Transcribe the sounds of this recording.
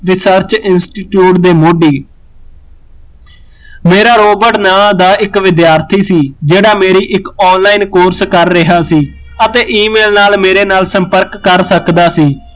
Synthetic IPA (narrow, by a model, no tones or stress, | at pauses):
ɾɪsəɾt͡ʃɪnsʈiːʈjuːʈd̪eːmoːɖiː | meːɾaːɾoːbəʈnaːmad̪aːʔɪkʋɪd̪jaːɾt̪ʰiːsiːd͡ʒeːɽaːmeːɾiːʔɪkɔːnlaːiːnkoːɾskəɾːɪɦaːsiː | ət̪eːʔiːmeːlnaːlmeːɾeːnaːlsəmpəɾkːəɾsəkd̪aːsiː